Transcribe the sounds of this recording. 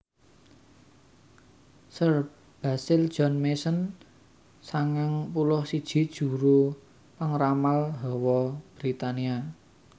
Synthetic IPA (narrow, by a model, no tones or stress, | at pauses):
sər | b̥a̤sɪld̥ʒ̥ɔ̤nmesən | saŋɪŋpulɔhsid̥ʒ̥i̤d̥ʒ̥ṳɾu | pəŋramalɦɔwɔb̥ɾit̪ania